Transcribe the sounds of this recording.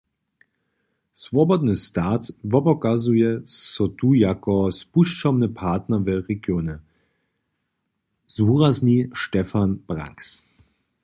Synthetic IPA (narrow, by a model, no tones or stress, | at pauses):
svɔbɔd̪nəstaːtvɔbɔkazujɛsɔtuːjakɔspuʃt͡ʃɔmnəpʰaɐtnɐvɛʁɛɡjoːnə | z̥uːʁazniʃtɛfanb̥ʁa̰ŋks